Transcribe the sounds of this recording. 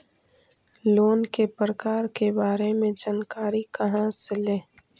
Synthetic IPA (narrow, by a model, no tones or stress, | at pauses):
loːnkepɾəkaːɾkebaːɾemẽd͡ʒaːnkaːɾikɐɦãseleː